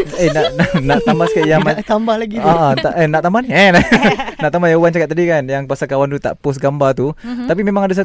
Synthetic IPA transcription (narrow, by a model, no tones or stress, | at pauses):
enaʔnanaʔt̪ambaskajamat̪ambahlaɡiəə̃t̪aʔənaʔt̪ambaniɛnanaʔt̪ambajaŋwant͡ʃakat̪̚ːadikanjaŋpasakawant̪ut̪a̰ʔpʊsɡambart̪ut̪ap̬imemaŋadasa